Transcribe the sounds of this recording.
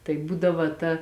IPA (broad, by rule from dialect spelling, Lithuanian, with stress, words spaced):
tɐɪ ˈbuːdɐʋɐ tɐ